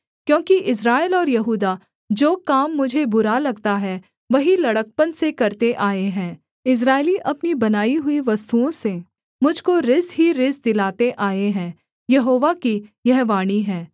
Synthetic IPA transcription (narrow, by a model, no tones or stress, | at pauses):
kjõːkiʔɪs̬ɾaːɪlɔːɾjɐɦuːd̪a | d͡ʒoːkaːmːʊd͡ʒʱebʊɾalɐɡt̪aɦɛ | ʋɐɦilɐɽək̚pənsekɐɾt̪eʔaːeɦɛ̃ː | ɪs̬ɾaːɪliʔɐpnibɐnaːiɦʊiʋɐst̪uõseː | mʊd͡ʒʱkoɾɪzɦiɾɪzd̪ɪlaːt̪eʔaːeɦɛ̃ː | jɐɦoːʋakijɐɦʋaːɽ̃iɦɛ̃ː